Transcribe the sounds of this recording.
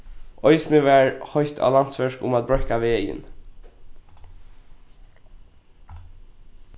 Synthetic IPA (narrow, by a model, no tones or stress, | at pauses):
ʔɔʏsnəʋæːɹhɔʏçt̪ʰa̰ːlansʋɛʂkʊ̰maːt̪̚bɹœhkaʋeːjə̰n